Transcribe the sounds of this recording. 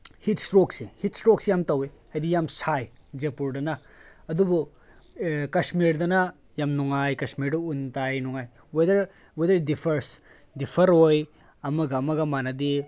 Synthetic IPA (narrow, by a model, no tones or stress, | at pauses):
hitstɾoksihitstɾoksijamtɐwehajdijamsajd͡ʒepuɾdɐnɐ | ɐdubu | kɐsmiɾdɐnɐ | jamnuŋajkɐsmiɾduuntajnuŋaj | wedɐɾ | wedɐɾdipʰɐɾs | dipʰɐɾoj | ɐmɐɡɐɐmɐɡɐmanɐdi